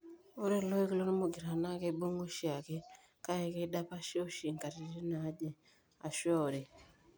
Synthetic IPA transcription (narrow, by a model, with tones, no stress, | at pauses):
o˦ɾe˦lo˦i˦ku˦lo˦ni˦mu˨ɡi˨ɾa˨na˦ke˦bu˦ŋu˦ʃi˦a˨ke˦ | ka˦je˨ke˦ɗa˦pa˦ʃo˦ʃi˨ŋka˨ɾi˨ɾi˦na˨˦ɟe˨ | a˨ʃo˨ɾe˨